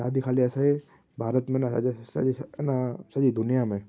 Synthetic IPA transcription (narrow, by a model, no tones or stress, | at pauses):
aːd̪ikʰaːliɛsai | bʱaːɾət̪mẽnasinasɐd͡ʒid̪ʊnijamẽ